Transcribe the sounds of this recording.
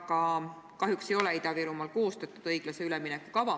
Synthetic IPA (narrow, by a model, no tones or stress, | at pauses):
kɑ | kɑɦjukse̞jo̞lɛid̪̥ɑviɾumɑlko̞ːst̪ɑt̪ːˑud̥̪ɤjɡ̥lɑse̞ylɛminekːˑukɑvɑ